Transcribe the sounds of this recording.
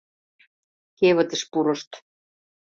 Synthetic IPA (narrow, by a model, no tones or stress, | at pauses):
keβə̆t̪ə̆ʃpuɾŏʃt̪